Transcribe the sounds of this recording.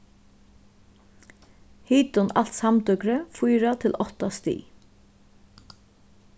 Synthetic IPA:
hiːt̪ʊnal̥t̪samt̪ʏkɾəfujɾat̪ʰɪlʔɔht̪ast̪ḭː

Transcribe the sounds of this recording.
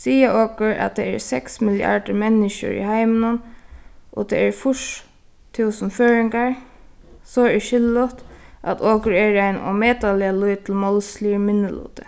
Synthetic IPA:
siːaʔoːkʊɹa̰t̪ʰɛ̰ːɛɹsɛksmɪlja̰ɹɖəmɛnːɪʃə̰ɹḭhaɪmənʊnʔɔ̰t̪ʰɛ̰ɛɹfʊʂ | t̪ʰuːsənføːɹɪŋkaɹ | sɔɛʃɪlːʊt̪ʔa̰t̪ʰoːkʊɹɛːɹaɪnɔ̰meːt̪alɪaluɪt̪ʰɪlmɔlsliːmɪnːəlṵːt̪ə̥

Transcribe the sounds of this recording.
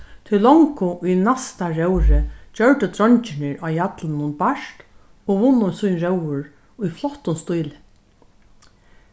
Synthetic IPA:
t̪ʰɪlːɔŋkʊʔujnast̪aɹɛwɾɪd͡ʒœɹʈ̪ət̪ɾɔnt͡ʃɪnɪɹaːjat̪lɪnːʊnbaʃt̪ | oːʋʊnːʊnsujnɾɛwʊɹ | ʊjflɔht̪ʊnst̪ujl

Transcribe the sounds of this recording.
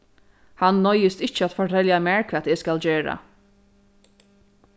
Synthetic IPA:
hanːɔjəst̪ɪt͡ʃəat̪fɔʈʰɛljamæɹkʰat̪ɛːskald͡ʑeːɹa̰

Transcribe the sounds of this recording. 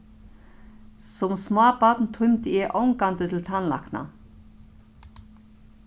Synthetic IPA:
sɔmsmaːpat̪nt̪ʰʊɥmt̪ɪɛʔowŋkant̪ʏt̪ʰɪlt̪ʰanla̰hkna̰

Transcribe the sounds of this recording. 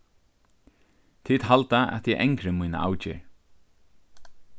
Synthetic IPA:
t̪ʰiːt̪ɦalt̪aʔɛ̰t̪jɛʔɛŋkɾɪmujna̰ʔa̰wt͡ʃɪ̰ɹ

